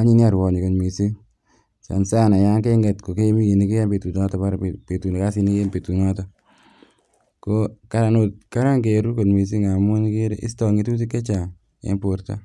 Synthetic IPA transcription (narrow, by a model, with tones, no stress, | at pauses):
a˦ɲi˦ni˦a˨ɾwɔ˨ɲi˨ko˨tmi˨si˦ | sa̰˨nsa˦na˨ja˦ŋke˦ŋɡɛ˨tko˨ke˦mi˦ki˨ni˦ke˦a˦mpe˨tu˨na˦tɔ˨pa˦ɾpe˨tu˨ne˨ka˦si˦ni˦ke˦mpe˨tu˨nɔ˦tɔ˦ | ko˦ka˦ɾa˨˦no˨˦ka˦ɾa˦ŋke˨ɾu˦ko˨nmi˨s̬i˦ŋa˨mo˦ni˦ke˦ɾḛ˦ʔɪ̰˦stɔ˨ŋi˦tu˦t̬i˦kːe˦t͡ʃa˨ | ḛ˦mpo˨ɾta̰˦